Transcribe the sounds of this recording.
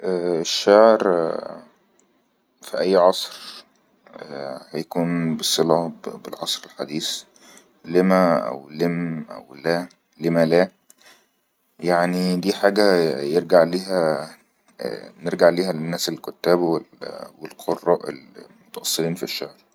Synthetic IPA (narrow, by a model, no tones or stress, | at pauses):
ʔæːeʃːæʕɾ | fiʔæjːʕɑsˤɾ | hæjækuːnbesˤelɑbḛlʕɑsˤɾelħad̪iːs | lemæʔæ̰wlemʔæ̰wlæː | lemælæː | jaʕnid̪iːħaːɡæjeɾɡaʕliːɦæ̰ | neɾɡaʕliːhæenːæːselkot̪ːæːbwelwelqʰorːɑ̰ʔḛlmot̪ɑʔɑsˤːeliːnfiʃːæʕɾ